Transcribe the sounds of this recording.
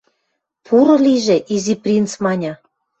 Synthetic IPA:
pʰuɾɤ̆liʒĕʔiziprʲint͡smɑnʲɑ

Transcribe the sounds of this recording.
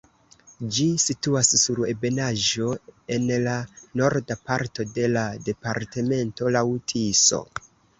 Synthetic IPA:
d͡ʒisituasːuɾe̞̰be̞naʒo̞e̞nlano̞ɾdapaɾto̞de̞lade̞paɾte̞me̞nto̞lawtʰiso̞̰

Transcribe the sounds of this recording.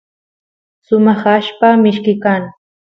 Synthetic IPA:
sʊmɑχaʃpamɪʃkɪkaŋ

